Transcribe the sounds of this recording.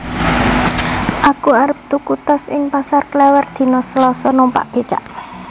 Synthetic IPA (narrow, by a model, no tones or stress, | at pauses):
ʔakuaɾəp̚t̪ukut̪ɔsɪŋpasarklɛwərd̪̥i̤nɔsəlɔsɔnompa̰ʔb̥e̤t͡ʃa̰ʔ